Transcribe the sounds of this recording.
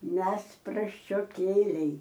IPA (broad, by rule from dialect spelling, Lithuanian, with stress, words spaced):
ˈmʲɛs prɐsʲt͡ʃʲoːˈkʲeːlʲɛɪ